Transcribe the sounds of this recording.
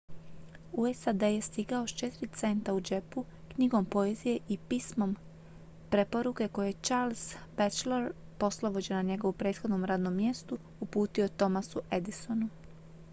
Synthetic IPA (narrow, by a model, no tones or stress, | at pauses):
uesad̪ejest̪iɡaoʃt͡ʃe̞t̪iɾit̪se̞nt̪aud͡ʒe̞pu | kɲiɡo̞mpo̞ezije̞ʔipismo̞m | pɾe̞po̞ɾuke̞ko̞jet͡ʃaːɾlˠz̥bet͡ʃleɾpo̞slˠobo̞d͡ʑenaɲe̞ɡo̞ʋupɾe̞ːt̪xo̞d̪no̞mɾaːd̪no̞mːje̞st̪u | upuːt̪io̞t̪o̞masuʔe̞d̪iso̞nu